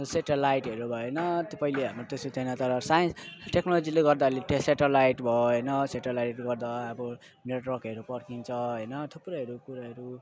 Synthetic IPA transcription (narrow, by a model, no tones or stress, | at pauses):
seʈelajʈɦʌɾubʱʌenʌt̪opʌjleɦamot̪esot̪ʰʌjnʌt̪ʌɾʌsajensʈeknolod͡zileɡʌrd̪aʌleʈeseʈelajʈbʱʌɦʌjnʌseʈelajuɡʌrd̪aːbʌ | neʈwʌrkɦʌɾupʌrkʰint͡sʰʌɦʌjnʌt̪ʰupːuɾaɦʌɾukuɾaɦʌɾu